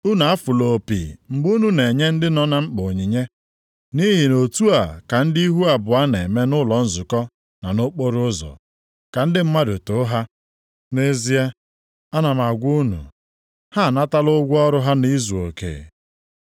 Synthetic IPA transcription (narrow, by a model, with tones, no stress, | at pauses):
ʊ˦na˨a˦fʊ˨lo˨pḭ˨ŋ͡m̩˨ɡ͡bu˦nu˨ne˨ɲe˦n̩˦dɪ˦nɔ˦na˦ŋ͡m̩˦k͡pʊ˨ɲi˨ɲe˦ | ni˦ɦi˨no˨tu˦a˨ka˨n̩˦di˦ɦu˦a˨bʊ˨a˦ne˨me˦nʊ˦lɔ˨˦n̩˦zʊ˨kɔ˦ | na˨no˦k͡po˦ɾʊ˦ʊ˦zɔ̰˨ | ka˨n̩˦dɪ˦m̩˦ma˦dʊ˨tʊ˨˦ɦa˦ | ne˦zi˦e˦ | a˦na˨m˨a˨ɡʷu˦nṵ˨ | ha˦a˨na˦ta˦lʊ˦ɡʷɔ˦ɾʊ˦ɦa˦ni˦zu˨o̰˨kḛ˨